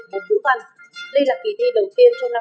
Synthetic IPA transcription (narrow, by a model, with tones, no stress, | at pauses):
mo˨˩t̚t͡ɕu˨˧˥ha˨˩ŋli˧la˨˩ki˨˩ɗ̪i˧˩ɗə˨˩wt̪i˧ənt͡ɕɔ˧na˧